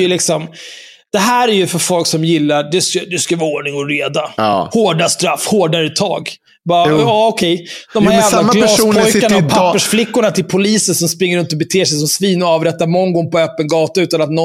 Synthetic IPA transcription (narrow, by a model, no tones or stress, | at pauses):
jəlɪksɔm | d̪̥ɛɦæːɾæɾjɵfœɾfɔlksɔmjɪlːad̪ɛskad̪ɛskavɑːoːɳɪŋɔɾeːd̪ahoːɖast̪ɾafːhoːɖaɾɛt̪ʰːɑ̰ːɡ | bɑːaɔkʰɛjd̪̥ɔmhajɛːvlaɡlɑːsuːp̪ʰɔjkanapʰapːəʂflɪkːʊɳat̪ʰɪlpʰʊliːsənsɔmspɾɪŋːəɾɵnt̪ɔbɛt̪ʰeːʂɛjs̬ɔmsviːnɔɑːvɾɛt̪ːaɾmɔŋːɡɔŋːpɔœːpːənɡɑːt̪aʉ̟ːt̪anat̪nɔ